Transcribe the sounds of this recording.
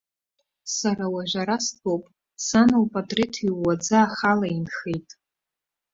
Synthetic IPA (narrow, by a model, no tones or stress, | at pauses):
saɾawaʒᶣʷaɾasɡowpʼ | sanolpʼadʼretʰiːad͡zaːχalainχejtʼ